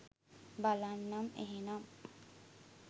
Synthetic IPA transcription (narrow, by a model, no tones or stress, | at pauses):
balanːɐmḛɦenɐm